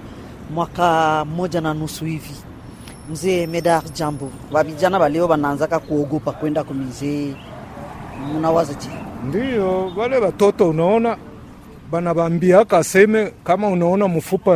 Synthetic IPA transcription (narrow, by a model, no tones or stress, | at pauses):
mwakamod͡ʒananusuivi | m̩zemedaʁd͡ʒambo | babid͡ʒanabaleobananzakakuoɡopakwɛndakominze | munawazad͡ʒendijobalebatotoonaɔna | banabambiakasɛmɛkamaonaɔnamofupa